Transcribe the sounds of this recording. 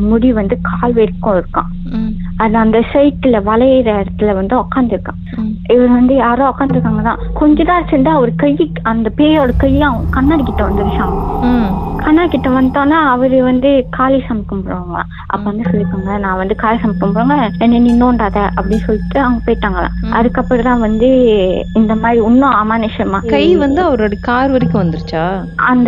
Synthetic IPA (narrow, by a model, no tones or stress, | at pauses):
mʊɽiʋɐnd̪ɯkʰaːlʋeɾɯkːõɪɾɯkːã̰ː | ɐð̃ɐnd̪ɐsɐɪʈːɪlɐʋɐlɐɪɾɐɪɾɐt̪ːɯlɐʋɐnd̪ɯɔkːaːnd̪ɪɾɯkːã̰ː | ɪʋɐɾɯʋɐnd̪ɯjaːɾõːɔkːaːnd̪ɪɾɯkːaːŋɡɐt̪ã̰ːkɔɲd͡ʒɔt̪ãːɪɾɐt͡ʃːnɖaːʋɔɾɯkɐjːɯ | ɐnd̪ɐpeːjoːɽɐkɐjːɐɐɡkɐnːaːɾkɪʈːɐ̃ʋɐnd̪ɯʋɪʂaːŋɡɐ | kɐnːaːɾkɪʈːɐ̃ʋɐnd̪õːnːaːɐʋɐɾɯʋɐnd̪ɯkaːlisɐmbɪkːɐmpɔːɽɯʋaːŋɡɐɭã̰ | ʔɐ̰pːoʋɐnd̪ɯsɔlːɪkːaːŋɡɐɐnãːʋɐnd̪ɯkaːlisɐmɪkːɐmpɔɾɯːŋɡɐɛnːɐnĩːnoːɳɖaːðɛʔɐpːɐɽɪnːsɔlːɪʈːɯɐʋŋɡɐpeːʈːaːŋɡɐɭã̰ːʔɐðɯkːɐpːɐɾt̪ãːʋɐnd̪ɯɪnd̪ɐmaːd̪ɾiʊnːõɐmaːnɪʃɐɾmaːkɐjʋɐnd̪ɯɐʋɐɾoːɽɐkaːɾʋɐɾɪkʲːɯʋɐnd̪ɯɾɯt͡ʃːaː | ɐnd̪ɐ